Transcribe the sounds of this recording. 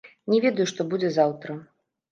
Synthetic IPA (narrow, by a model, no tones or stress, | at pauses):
nʲɛvʲɛd̪ɐjuʂt̪ɔbud͡zʲɛzawt̪ɾɐ